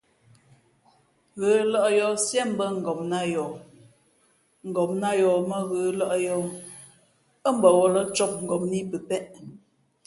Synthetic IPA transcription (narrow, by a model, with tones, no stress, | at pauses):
ɣəː˨˦lɔ˦ʔjɔ˨sjɛ˦˨m̩˦bə˦ŋ̩˨ɡɔ˨mna˦jɔ˨ | ŋ̩˨ɡɔ˨mna˦jɔ˨mə˦ɣəː˨˦lɔ˦ʔjɔ˦ | ə˦m̩˦bə˨wɔ˦lə˦t͡ʃɔ˦p̚ŋ̩˨ɡɔ˨mni˦pə˨pɛ˦ʔ